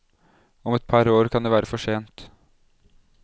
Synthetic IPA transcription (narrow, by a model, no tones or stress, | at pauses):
ɔmɛt̪̚pʰɑɾoːɾkʰɑnd̪eːʋæːɾəfɔʂeːnt̪